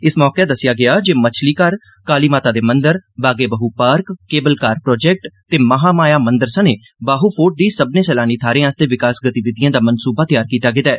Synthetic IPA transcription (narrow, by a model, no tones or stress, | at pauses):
ɪsmɔːkeːd̪əsɪjaːɡɪaːd͡ʒeːmət͡ʃʰliːkəɾ | kaːliːmaːt̪aːd̪eːmənd̪əɾbaːɡeːbəɦuːpaːɾkːeːbəlkaːɾpɾɔːd͡ʒɛːk̚ʈt̪eːməɦaːmaːjaːmənd̪əɾsəneː | baːɦuːpʰoːʈ̚d̪iːsəbnẽːsɛːlaːniːt̪ʰaːɾẽːaːst̪eːʋɪkaːsɡət̪iʋɪd̪ijãːd̪aːmənsuːbaːt̪ɪjaːɾkiːt̪aːɡɪt̪aɛː